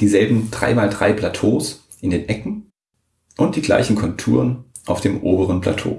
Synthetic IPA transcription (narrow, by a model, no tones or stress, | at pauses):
d̥iːzɛlbm̩d̥ʁa̰ɪmaːldʁaɪpʰl̥atʰoːs | ʔɪndeːnʔɛkŋ̩ | ʔʊnt̚d̥iːɡla̰ɪçn̩kʰɔntʰṵːʁ̞ən | ʔaʊfd̥eːmʔoːbəʁənpʰl̥a̰tʰo̰ː